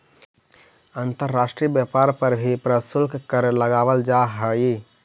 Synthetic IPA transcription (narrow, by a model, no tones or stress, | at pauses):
ənt̪əɾːasʈɾiəbjəpaɾpəɾbʱipɾəsulkkəɾləɡabəld͡ʒaɦəi